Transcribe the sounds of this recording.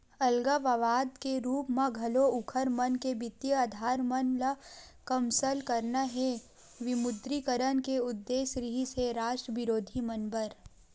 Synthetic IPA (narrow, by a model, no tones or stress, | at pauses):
ɐlɡaʋɐʋaːd̪keɾuːpmãɡʱɐloʊkʰəɾmənkebɪt̪jəaːd̪ʱaːɾmənlakɐmsəlkəɾnaɦɛ | ʋɪmʊd̪ɾikəɾənkeʊd̪ːeːsɾiɦiseɾaːʃʈɾəʋɪɾoːd̪ʱimɐnbəɾ